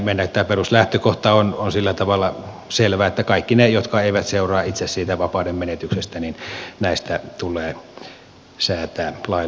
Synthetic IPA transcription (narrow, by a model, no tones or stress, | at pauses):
meˑnːækt̪ːæːperuslæht̪økoht̪ɑononsilːæt̪ɑʋɑlːɑ | selʋæːet̪ːækɑikːinejot̪kɑeˑiʋæt̪seurɑːit̪sessiːt̪æʋɑpɑˑudemmenet̪yksest̪æninnæˑist̪æt̪ulˑeː | sæːt̪æːlɑi